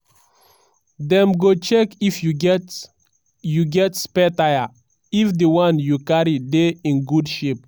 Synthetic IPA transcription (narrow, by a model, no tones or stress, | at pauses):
dɛ̃mɡot͡ʃɛkifjuɡɛt | juɡɛtspɛtaja | ifdəwãnjukaɹideĩnɡudʃep̚